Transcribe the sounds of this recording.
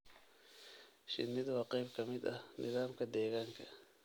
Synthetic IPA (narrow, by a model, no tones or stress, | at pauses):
ʃɪ̰nːɪd̪wɑqʼɛjbkʰɐmɪd̪ɐnɪðaːmkʰɐd̪ɛːɣaːŋkʰɐ